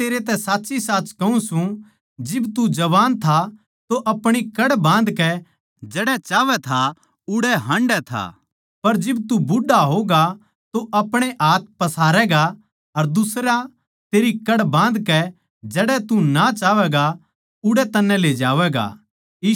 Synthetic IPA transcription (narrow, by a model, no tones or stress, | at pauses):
eːɾet̪ɛ̃saːtːt͡ʃisaːt͡ʃkɐũsũ | d͡ʒɪbt̪ud͡ʒɐʋaːnt̪ʰa | t̪oʔɐpɽ̃ikɐɽbãːnd̪kɛ | d͡ʒɛɽɛt͡ʃaːʋɛt̪ʰa | ʊɽɛɦɐ̃ɳɖɛt̪ʰa̰ː | pɐɾd͡ʒɪbt̪ubʊɖaɦoːɡa | t̪oʔɐpɽ̃eʔaːt̪̚pɐsaːɾɛːɡa | ɐɾd̪ʊsɾã | t̪eːɾikɐɽbãːnd̪kɛ | d͡ʒɛːɽɛt̪unat͡ʃaːʋɛːɡa | ʊɽɛt̪ɐnːɛ̃leːd͡ʒaːʋɛːɡa̰ː | iː